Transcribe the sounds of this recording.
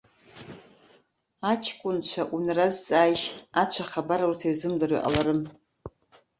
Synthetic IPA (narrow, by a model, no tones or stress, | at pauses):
at͡ʃʰkʷʼʊnt͡ʃʷʰaʔunrazt͡sʼaːjʃat͡ɕʷʰaχabaɾaurtʰairzɨmdaɾḭʔa̰laɾɨm